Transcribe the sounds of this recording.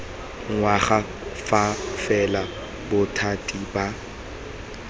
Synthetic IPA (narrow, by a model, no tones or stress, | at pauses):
ŋwaχa | fafɛla | bʊtʰatʼiba